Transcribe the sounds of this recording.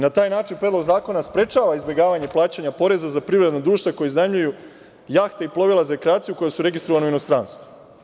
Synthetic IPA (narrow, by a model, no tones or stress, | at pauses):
nat̪aːjnaːt͡ʃinpɾed̪loɡzaːko̞naspɾe̞t͡ʃaːʋaizbʲje̞ɡaːʋaɲe̞plˠaːt͡ɕaɲapo̞ɾe̞zazapɾiʋɾed̪nod̪ɾuːʃt̪ʋako̞jeznamʎuju | jaːxt̪eiplˠo̞ʋilazaekɾeaːt̪sijuko̞jesuɾe̞ɡist̪ɾoʋaneuino̞st̪ɾanst̪vu